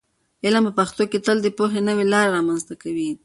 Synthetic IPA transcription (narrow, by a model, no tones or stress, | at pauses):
ɪlampəpaxt̪oket̪əld̪əpoɦenəwelɑɾɾɑmanzt̪akawi